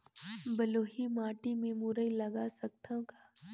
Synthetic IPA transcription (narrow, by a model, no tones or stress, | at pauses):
bɐloːɦimaːʈimẽmuɾəilɐɡasɐk̚t̪ãkaː